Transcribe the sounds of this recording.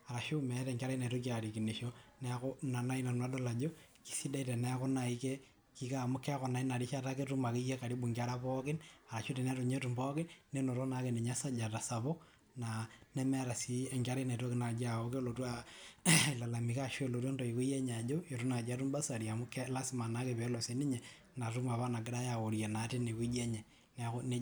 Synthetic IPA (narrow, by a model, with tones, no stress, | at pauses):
a˨ɾa˨ʃo˦mɛ˨˦tɛ˨ŋɡa˦ɾa˦na˨to˦k̬i˦a˨ɾi˨ki˨ni˨ʃo˦nɛ˦kɔ˦na˨na˦i˦na˨nwa˦dɔ˦la˨d͡ʒo˦ | ki̥˨si˦da˦i˦tɛ˨nɛ˦kɔ˦na˨i˦ke˦ | ki˦ka˦˨mʊ˦kːɛ˦kɔ˨na˨i˦na˨ɾi˦ʃa˦ta˦ke˦tu˦ma˨ki˦jɛ˦ka˨ɾi˦bu˨ŋɡa˦ɾa˦pɔ˦kɪ˦na˨ɾa˨ʃu˦tɛ˨nɛ˦to˨ɲe˦tu˨mbɔ˦kɪ˦nːe˦no˨to˦na˨ke˨ne˨ɲa˦sa˦d͡ʒa˨ta˨sa˨bɔ˦ | na˨nɛ˦mɛ˦ɾa˨si˦ɛ˨ŋɡa˦ɾe˦ne˨to˦kɪ˦na˨d͡ʒa˨o˦ke˦lo˨tu˦a˦ | i˨la˨la˨mi˨ka˦ʃwe˦lo˨tu˦ɔ˦ndɔ˨i˨ku˦jɛ˦ɲ˨a˨d͡ʒo˦e˨ɾu˦na˨d͡ʒa˦tu˦mba˦sa˨ɾi˨a˨mʊ˦kːɛ˦la˦sɪ˦ma˨na˦ke˨pɛ˨˦lɔ˨se˨ni˦ɲɛ˨ | na˨tu˦ma˨βa˦na˨ɡɪ˦ɾa˦ja˨o˨ɾje˨na˨˦te˦ne˨ku˦d͡ʒɛ˦ɲɛ˨ | nɛ˦ne˦